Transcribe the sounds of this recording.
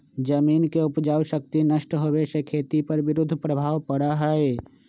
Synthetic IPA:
d͡ʒəmiːnkeʊpd͡ʒaːuʃək̚t̪inəʃʈɦowesekʰeːt̪ipəɾʋɪɾʊd̪ʱːəpɾəbʱaːwpəɽaɦɛe

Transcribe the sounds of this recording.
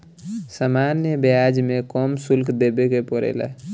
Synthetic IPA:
samanjəbead͡ʒmekɔmsulkd̪ebekepɔɾḛlɛ̰

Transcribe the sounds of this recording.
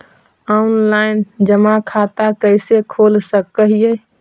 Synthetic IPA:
aunlaɪnd͡ʒəmakʰat̪akəɪsekʰolsəkəɦije

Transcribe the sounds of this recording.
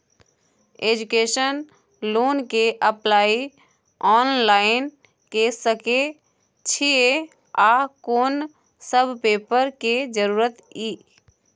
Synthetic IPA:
eːd͡ʒukeːʃən | loːnkeʔəplaːi | ɔːnlaːɪn | kesəke | t͡ʃʰie | aːkoːn | səbʱpeːpəɾked͡ʒəɾuːɾət̪iː

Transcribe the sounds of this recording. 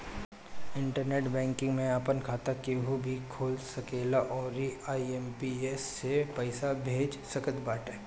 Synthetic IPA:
ɪ̃ɳʈəɾneːʈbɛ̃ːŋkɪ̃ŋɡmẽaːpənkʰaːt̪akeɦubʱikʰoːlsɐkeːlaʔɔːɾiaːiempiesːepəɪsabʱeːd͡ʒsɐkət̪baːʈɛː

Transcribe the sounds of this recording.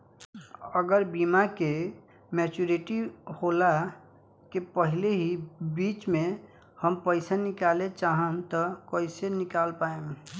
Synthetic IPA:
əɡəɾbiːmake | mɛːt͡ʃuɾeʈihola | kepəɦɪleɦibiːt͡ʃmẽ | həmpəɪsanɪkaːlet͡ʃaːɦət̪ɔkəɪsenɪkaːlpaːẽ

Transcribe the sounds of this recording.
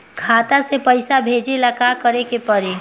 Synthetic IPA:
kʰaːt̪asepəɪsabʱeːd͡ʒelakakəɾekepəɾe

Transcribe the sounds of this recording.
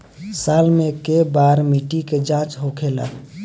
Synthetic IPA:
salmẽkebaɾmiʈiked͡ʒãt͡ʃɦokʰela̰

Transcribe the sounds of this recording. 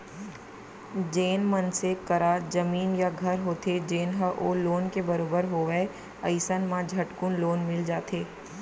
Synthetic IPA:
d͡ʒeːnmənsekəɾaːd͡ʒəmiːnjaɡʱɐɾɦoːt̪ʰed͡ʒeːnɦəʔoloːnkebɐɾoːbəɾɦoːʋɛe | əɪsənmãd͡ʒʱɐʈkʊnloːnmɪld͡ʒaːt̪ʰeː

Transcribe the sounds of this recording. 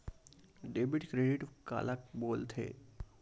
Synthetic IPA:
ɖeːbɪʈkɾeɖiʈka̰ːlakboːlt̪ʰḛː

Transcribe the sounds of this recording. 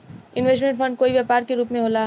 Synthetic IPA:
ɪ̃nʋeːsʈmẽɳʈfʰɐ̃ɳɖ̚koːiʋjaːpaːɾkeɾuːpmẽɦoːla

